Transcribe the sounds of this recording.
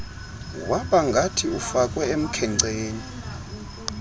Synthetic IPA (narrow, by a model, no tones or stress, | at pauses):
waɓaŋɡʱatʰiufakʼwɛem̩kʰɛŋŋ͡ǀeːni